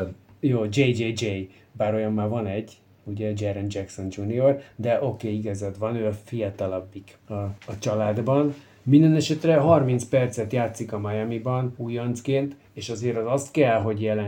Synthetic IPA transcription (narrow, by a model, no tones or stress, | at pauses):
joːd͡ʒejd͡ʒeːd͡ʒej | baːɾo̞jɒmːaːvɒnɛɟː | uɟɛd͡ʒɛɾɛnd͡ʒɛkso̞nd͡ʒuniord̪ɛʔo̞keːiɡɒzɛd̪vɒnøːɒfijɒt̪ɒlɒbːikɒːt͡ʃɒlaːd̪bɒn | mind̪ɛnɛʃɛt̪rɛɦɒrmint̪spɛrt̪sɛt̪jaːt̪sikɒmɒjɛmibɒnuːjont̪skeːnt̪ | eːʃɒzeːɾɒzɒst̪kɛlɦo̞ɟjɛlɛ